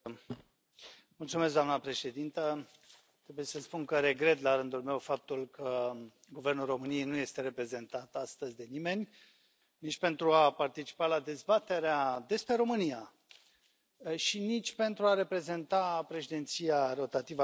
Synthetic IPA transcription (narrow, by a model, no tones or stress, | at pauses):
mult̪sumeskɡd̪oamnəpɾe̞ʃe̞d̪int̪ə | t̪ɾe̞buje̞səspunkəɾe̞ɡɾe̞t̪laɾɨnd̪ulme̞wfap̚t̪ulkʰə | ɡuve̞rnulro̞mɨnijejnuje̞st̪e̞ɾe̞pɾe̞ze̞nt̪at̪ast̪əzʲd̪e̞nime̞nʲ | nit͡ʃʲpe̞nt̪ɾuapart̪it͡ʃi̥palad̪e̞zbat̪e̞ɾead̪e̞spɾe̞ɾo̞mɨnija | ʃinit͡ʃʲpe̞nt̪ɾuaɾe̞pɾe̞ze̞nt̪apɾe̞ʃid̪ent̪sijaro̞t̪at̪ivə